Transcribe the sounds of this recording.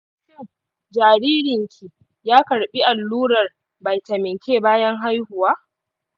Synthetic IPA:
ʃɛ˦ | d͡ʒaː˨ɾiː˦ɾɪ˨ŋkʲʰi˨ | jaː˦kɐ˨ɽɓi˦ʔa˨lːuː˦ɽɐ˨r | bɐ˨jtɐ˨mɪ˨ŋkʲʰeː˦˨baː˦jɐ˦ŋɦa˦jhʊ˨waː˦ʔ

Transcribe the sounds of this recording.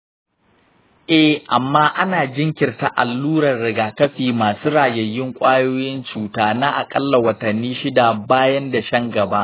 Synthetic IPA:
ʔɛ˦ʔa˨mːaː˦ʔa˦naː˨d͡ʒɪ˦ŋkʲɪ˨rta˦ʔa̰˨lːuː˦ɾɐ˨rɽɪ˨ɡaː˨kɐ˦ɸiː˨maː˨suː˦ɽaː˨jɐ˨jɪ˦ŋkʷʼaː˦joː˦jɪ˦nt͡ʃuː˨taː˦naː˦ʔa˨kʼɐ˦lːa˨wɐ˨tɐ˨nːiː˦ʃɪ˦da˨baː˦jɐ˦nda˨ʃɐ˦ŋɡɐ˨ba˦ʔ

